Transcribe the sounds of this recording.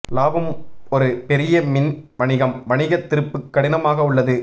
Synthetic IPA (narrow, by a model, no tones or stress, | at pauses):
laːbɐmɔɾɯpɛɾɪjɐmɪnʋɐɳɪɣɐmʋɐɳɪɣɐt̪ːɪɾɯpːɯkːɐɽɪnɐmaːɣɐʊɭːɐðɯ